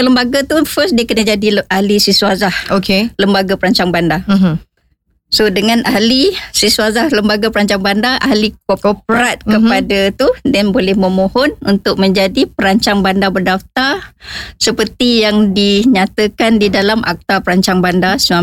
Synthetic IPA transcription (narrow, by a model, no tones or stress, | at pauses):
ələmbaɡat̪ufəsdiəkənəd͡ʒadiahlisisuazahokeləmbaɡapəɾaɲt͡ʃaŋbanda | sodəŋãnahlisisuazahləmbaɡapəɾaɲt͡ʃaŋbandaʔahlikopɾat̪̚kəpadat̪udanbolɛhmə̃mohɔnunt̪ʊk̚mə̃ɲd͡ʒadipəɾaɲt͡ʃaŋbandabərdaft̪arsəpərt̪ijaŋdiɲat̪əkandidalamʔa̰k̚t̪apəɾaɲt͡ʃaŋbandasəa